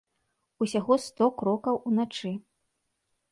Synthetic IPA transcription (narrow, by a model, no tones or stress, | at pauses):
usʲaɣɔst̪ɔkɾɔkɐwunat͡ʂɨ